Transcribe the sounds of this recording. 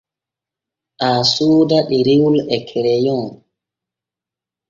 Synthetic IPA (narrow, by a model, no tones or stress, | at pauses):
ʔaːsuːdaɗiɾiwlɛkʰɛɾɛjɔŋ